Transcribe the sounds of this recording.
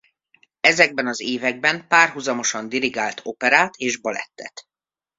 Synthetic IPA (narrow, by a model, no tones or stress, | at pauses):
ɛzɛɡ̚bɛnɒzeːvɛɡ̚bɛmpaːrɦuzɒmo̞ʃɒnd̪iɾiɡaːlt̪ʰo̞pɛɾaːt̪ʰeːʒbɒlɛ̰t̪ːɛt̪